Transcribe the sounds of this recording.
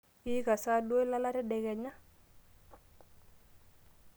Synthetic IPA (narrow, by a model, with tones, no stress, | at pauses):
ɪ˦ka˨sa˦dwo˦i˦la˦la˦ɾɛ˦dɛ˨ɡɛ˨ɲa˦